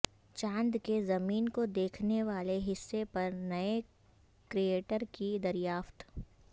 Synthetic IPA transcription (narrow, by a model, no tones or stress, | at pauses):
t͡ʃãːnd̪kezɐmiːnkod̪eːkʰneʋaːleɦɪsːepɐɾnɐe | kɾieːʈəɾkid̪ɐɾjaːft̪